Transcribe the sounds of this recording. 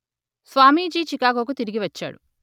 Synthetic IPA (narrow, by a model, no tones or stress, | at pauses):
sʋaːmiːd͡ʒiːt͡ʃikaːkoːk̬ut̪iɾiɡiʋɐt͡ʃːa̰ːɽu